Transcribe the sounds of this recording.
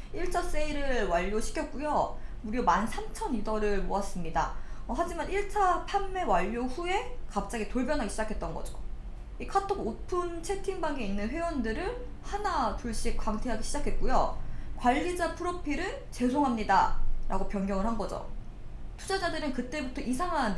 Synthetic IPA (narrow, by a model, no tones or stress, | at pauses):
iɭt͡ɕʰas͈eiɾɯɭwaʎːoɕʰi̥kʰjʌt̚k͈ujo | muɾjomansʰamt͡ɕʰʌnidʌɾɯɭmoas͈ɯmɲida̰ʌɦad͡ʑimaniɭt͡ɕʰapʰanme̞waʎːoɸue̞kap̚t͡ɕ͈aɡitoɭbjʌnɦaɡiɕʰid͡ʑakʰe̞t̚t͈ʌnɡʌ̰d͡ʑo̥ | ikʰatʰoɡopʰunt͡ɕʰe̞tʰiŋbaŋe̞inːɯnɸwe̞wʌndɯɾɯn | hanatuɭɕ͈ik̚kwaŋtʰeɦaɡiɕʰid͡ʑakʰe̞t̚k͈ujokwaʎːid͡ʑapʰɯɾopʰiɾɯ | t͡ɕe̞sʰoŋɦamɲida̰ɾʔa̰ɡopjʌnɡjʌŋɯɭhanɡʌd͡ʑo̰ | tʰud͡ʑad͡ʑadɯɾɯnkɯt͈e̞butʰʌʔisʰaŋɦand